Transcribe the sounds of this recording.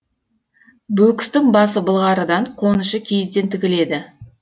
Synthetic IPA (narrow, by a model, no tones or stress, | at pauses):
bɵkʲɪ̥st̪ɪŋbɑsəbəlˠʁɑɾəd̪ɑɴqʰo̞nəʃəkʲʰe̞jɪzd̪e̞nt̪ʰɪkʲɪle̞d̪ɪ